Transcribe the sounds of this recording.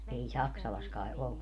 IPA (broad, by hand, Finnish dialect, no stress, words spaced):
ei sɑksɑlɑs kɑe olːu